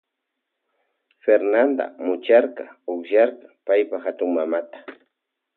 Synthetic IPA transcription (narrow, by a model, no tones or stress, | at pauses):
feɾnand̪a̰mʊt͡ʃaɾqaʊkʒaɾqḁpajpaxat̪ʊŋmamat̪ḁ